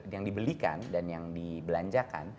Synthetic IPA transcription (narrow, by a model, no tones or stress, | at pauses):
jaŋdibəlika̰ndanjaŋdibəlaɲd͡ʒaka̰n